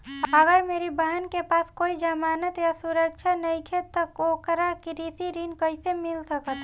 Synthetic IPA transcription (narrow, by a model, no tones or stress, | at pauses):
əɡəɾmeːɾibəɦənkepaːskoːid͡ʒəmaːnət̪jasuɾəkt͡ʃʰanəĩkʰet̪əkoːkəɾakiɾiːsiɾiːnkəɪsemɪlsəkət̪